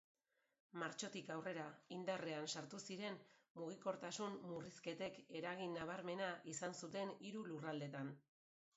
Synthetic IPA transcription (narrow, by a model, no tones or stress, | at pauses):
maɾt͡ʃo̞t̪ikawre̞ɾaind̪are̞ansaɾt̪usiɾe̞nmuɣ̞iko̞ɾt̪asunmuriske̞t̪e̞ke̞ɾaɣ̞inːaβ̞aɾme̞naʔisansut̪e̞niɾulurald̪e̞t̪an